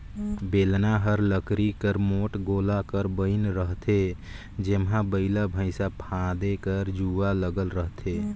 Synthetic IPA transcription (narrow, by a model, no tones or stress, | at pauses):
belnaɦəɾləkɾikəɾmoʈɡolakəɾbəɪnɾəɦt̪ʰe | d͡ʒemɦãbəɪlabʱəɪsapʰãd̪ekəɾd͡ʒualəɡəlɾəɦt̪ʰe